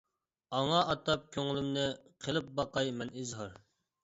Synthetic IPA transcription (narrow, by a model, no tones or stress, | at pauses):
ɑŋɑʔɑt̪ɑp̚kʲʰøŋɪlˠɪmnɪqʰəlˠɨp̚bɑqɑjmɛnɪzɦɑɾ